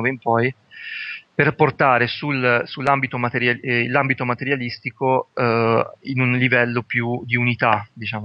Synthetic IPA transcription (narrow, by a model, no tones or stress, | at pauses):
veimpɔj | perport̪aːɾesulsulːambit̪omat̪eɾjailːambit̪omat̪eɾjalist̪iko | inunlivɛlːopjud̪iunit̪ad̪it͡ʃaːmo